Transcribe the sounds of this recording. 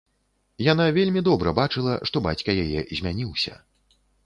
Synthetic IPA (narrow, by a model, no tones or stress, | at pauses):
jan̪avʲelʲmʲid̪ɔbɾɐbat͡ʂɨlˠɐʂt̪ɔba̰t͡sʲkɐjajɛ̰zʲmʲanʲiwsʲɐ̰